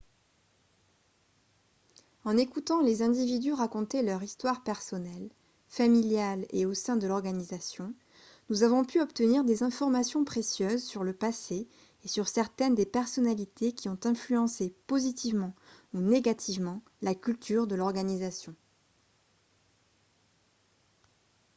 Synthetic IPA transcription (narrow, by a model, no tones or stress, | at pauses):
ɑ̃nekut̪ɑ̃lezɛ̃d̪ivid̪yʁakɔ̃t̪elœʁist̪waʁpɛʁsɔnɛl | familjaleosɛ̃d̪əlɔʁɡanizasjɔ̃ | nuzavɔ̃pyɔpt̪əniʁd̪ezɛ̃fɔʁmasjɔ̃pχesjøzsyʁləpase | esyʁsɛʁt̪ɛnd̪epɛʁsɔnalit̪ʰekʲiɔ̃t̪ɛ̃flyɑ̃sepozit̪ʰivmɑ̃uneɡat̪ʰivmɑ̃ | lakʲylt̪yʁd̪əlɔʁɡanizasjɔ̃